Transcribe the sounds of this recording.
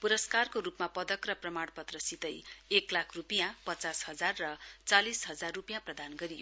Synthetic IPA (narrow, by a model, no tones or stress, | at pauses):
puɾʌskarkoɾupmapʌd̪ʌkrʌprʌmaɽpʌt̪rʌsit̪ʌjeklakʰrupijãpʌt͡sasɦʌd͡zarːʌt͡salisɦʌd͡zarːupjãprʌd̪anɡʌɾijo